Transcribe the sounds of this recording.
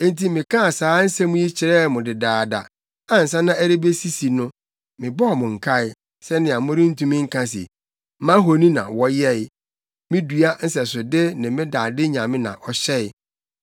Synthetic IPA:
ẽ˦n˦ti˨mɪ̃˨kʰã˦˨saː˨˦n̩˦sɛ˦mʊ̃˦ji˦t͡ɕʰɪ˨ɾɛ˦˨˦mʊ̃˨dɪ˨daː˨da̰˨ | a˨n̩˨sã˦nã˦æ˦ɾe˦be˦si˦si˨nʊ̃˦ | mɪ̃˨bɔ˦ɔ˨mʊ̃˨ŋ̩˨kʰa˦ɪ˨ | sɛ˦nɪ̃˨a˨mʊ̃˦ɾɪ̃˦n̩˦tʰũ˦mɪ̃˦ŋ̩˦kʰã˦s̬ḭ˨ | mã˦ɦo˨nĩ˦nã̰˨wɔ˦jɛ˦ɪ˨ | mɪ̃˦du˨a˦n̩˦sɛ˨sʊ˨dɪ˦nɪ̃˨mɪ̃˦da˨dɪ˦ɲã˨mɪ̃˦nã̰˨ʔɔ˨ɕɛ˦ɪ˦˨

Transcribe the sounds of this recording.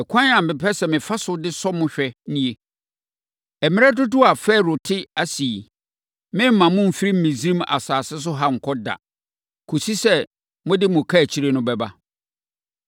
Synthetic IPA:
ɛ˨kʷʰã˦n˦ã˨m̩˨bɪ˨pʰɛ˦sɛ˨mɪ̃˨fa˦sʊ˦dɪ˦sɔ˦mʊ̃˦ɕᶣɛ˦nĩ˦e˦ | ɛ˨mɪ̃˦ɾɛ˦dʊ˦dʊ˦a˨fɛː˦˨ɾʊ˨tʰɪ˦a˦si˨i˨ | mɪ̃˦m̩˦mã˨mʊ̃˦m̩˦fi˦ɾi˦m̩˦mĩ˨zĩ˦ma̰˨saː˨sɪ˦s̬ʊ˦ɦa˦ŋ̩˨kʰɔ˦da̰˨ | kʰo˨si˦sɛ˦ | mʊ̃˦dɪ˦mʊ̃˨kʰa˦˨t͡ɕʰi˦ɾe˦nʊ̃˦bɛ˨ba̰˦

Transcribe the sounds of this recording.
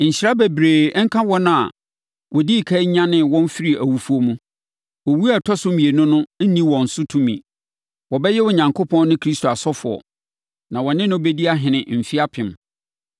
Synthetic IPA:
ɲ̩˨ɕɾa˦be˨bɾeː˨˦ŋ̩˦kʰã˦wɔ˦nʊ̃˦a˨ | wɔ˨di˦˨kʰa˦ɲã˦nɪ̃˦wɔ̃˦n˦fi˦ɾi˦˨æ˨wu˨fu˦o˦mũ˦ | wɔ˨wu˦a˨tʰɔ˦sʊ̃˦mĩ˨e˨nʊ̃˦nʊ̃˦n̩˦nĩ˦wɔ̃˨n̩˨sʊ˦tʰũ˦mḭ̃˨ | wɔ˨bɛ˦jɛ˦wʊ˨ɲã˨ŋkʰo˦pʰɔ̃˦nː˦nɪ̃˦kʰɾi˦stʰo˨a˨sɔ˦fʊ˨ɔ̰˨ | nã˨wɔ˨nɪ̃˦nʊ̃˦be˦di˦a˦ɦɪ̃˨nɪ̃˨m̩˨fi˦a˦pʰɪ̃˨m

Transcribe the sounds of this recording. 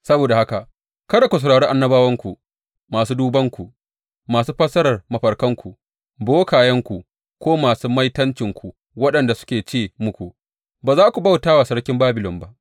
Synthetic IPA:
sɐ˦boː˨da˨ha˦ka˨ | kɐ˦da˨kʷu˨s̬ɐ˨ɽaː˨ɽeː˦ʔa˦nːɐ˦baː˦wɐ˦ŋkʷu˨ | maː˨s̬uː˦duː˦bɐ˦ŋkʷu˨ʔ | maː˨suː˦ɸɐ˦sɐ˦ɾɐ˨rmɐ˨ɸɐ˨ɽkɐ˦ŋkʷu˨ | boː˦kaː˨jɐ˦ŋkʷu˨ | kʷoː˦maː˨suː˦mɐ˦jtɐ˦nt͡ʃɪ˨ŋkʷu˨ | wɐ˦ɗɐ˨nda˨sʊ̥˦kʲeː˨t͡ʃeː˦˨mʊ˦kʷu˨ | baː˨zaː˦kʷu˨ba˦˨wtaː˦wa˨sɐ˦ɽkʲɪ˦mbaː˦bɪ˨lɔ˨mba˦ʔ

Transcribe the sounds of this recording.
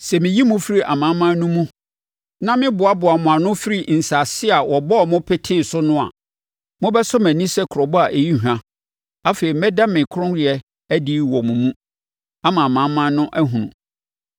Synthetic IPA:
sɛ˨mɪ̃˨ji˦mʊ̃˦fi˦ɾi˦ʔa̰˨mã˨˦mã˦nũ˦mũ˦ | nã˦mɪ̃˦bʊ˨a˦bʊ˨a˨mʊ̃˨a˨nʊ̃˦fi˦ɾi˦˨n̩˨sa˨sɪ˦a˨wɔ˨bɔ˦˨mʊ̃˦pʰɛ˦tʰɪ˦˨sʊ˦nʊ̃˦a̰˨ | mʊ̃˦bɛ˦sʊ˦mæ̃˨nĩ˦sɛ˦kʰɾɔ˨bɔ˦a˨ʔe˨ji˦hã˦ | a˦fe˨i˨mɛ˦dã˦mɪ̃˨kʰʊ˦ɾʊ̃˦nɾɪ˨ɛ˦ | æ˦dɪ˦wɔ˨mũ˨mũ˦ | a˦mã˨a˨mã˨˦mã˦nʊ̃˦ʔæ˦ɦũ˨nṵ̃˨

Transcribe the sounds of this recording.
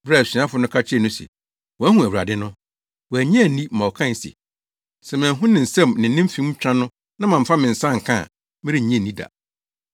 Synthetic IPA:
ba˦˨si˨˦a˦fʊ˨˦nʊ̃˦kʰa˦t͡ɕʰːnʊ̃˦sɛ̰˨ | wɔ˨æ˦hũ˨æ˨wu˨ɾa̰˨dɪ˦nʊ̃˦ | wɔ˨æ˨ɲ˦ɛ̃˦˨˦nĩ˦mã˨ɔ˨kʰã˦˨n̩˨sḛ˨ | sɛ˨mɪ̃˨ɦʊ̃˦nɪ̃˨n̩˨sɛ̃˦˨mnɪ̃˨n̩˦nɪ̃˦m̩˦fĩ˦m̩˦t͡ɕᶣɾã˦nʊ̃˦ | nã˦mã˨m̩˨fa˦mɪ̃˨n̩˨sã˦˨ŋ̩˨kʰã̰˦˨ | mɪ̃˦ɾi˦˨ɲ˦ɛ̃˦˨nːĩ˦da̰˨

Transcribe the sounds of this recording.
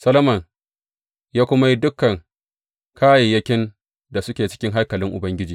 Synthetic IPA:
sɐ˦lɐ˦mɐ˨ŋ | jaː˦kʷʊ˦ma˦ji˦dʊ˦kːɐ˨ŋ | kʰaː˦ji˨jɐ˦kʲɪ˦n | da˨sʊ˦kʲeː˨t͡ʃɪ̥˦kʲɪ˦ŋɦa˦rkɐ˨lɪ˦ŋʔʊ̰˨bɐ˦ŋɡʲɪ˦d͡ʒiː˨

